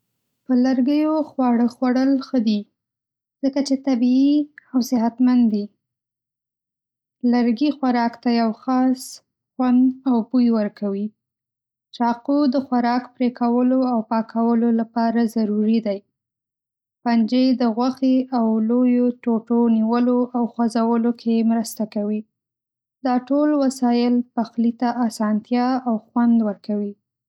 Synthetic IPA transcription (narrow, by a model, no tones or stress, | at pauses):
pəlaɾɡəjoxwɑɽəxwaɽəlxəd̪i | z̥əkat͡ʃet̪abiːawsɪɦat̪mand̪i | laɾɡixwaɾɑkt̪ajawxɑs | xwand̪awbujwəɾkʰawi | t͡ʃɑqud̪əxwaɾɑkpɾekawəloawpɑkʰawəlolapɑɾazaɾuɾid̪aj | pand͡ʒed̪əɣwaxeawlojoʈoʈoniwəloʔawxwazawəlokʰemɾəst̪akawi | d̪ɑʈolwasɑjɪlpaxlit̪aʔasɑnt̪jɑawxwand̪wəɾkawi